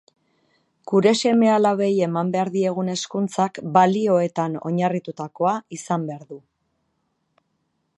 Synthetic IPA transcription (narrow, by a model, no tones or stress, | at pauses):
kuɾe̞se̞me̞alaβe̞je̞mambe̞aɾðie̞ɣ̞une̞skunt͡sakbalio̞e̞t̪ano̞ɲarit̪ut̪ako̞aisambe̞aɾðu